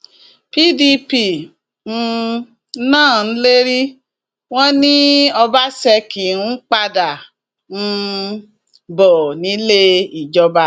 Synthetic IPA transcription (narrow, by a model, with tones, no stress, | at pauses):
pi˦di˧pi˦˨ | n̩˦˧˦ | nãː˦˨n̩˦le˦ɾi˦ | w̃ɔ̃˦nĩ˦ɔ˧ba˦sɛ˧ki˨nũ˦k͡pa˧da˨ | n̩˦˧ | bɔ˨nĩ˨˦le˦i˦˨d͡ʒɔ˧ba˧